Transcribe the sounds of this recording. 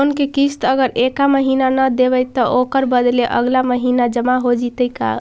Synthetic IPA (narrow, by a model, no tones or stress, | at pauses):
nkekist̪əɡəɾekaməɦinanəd̪ebəjt̪ːəʔokəɾbəd̪leʔə̰ɡlaməɦinad͡ʒəmaɦod͡ʒit̪əjka̰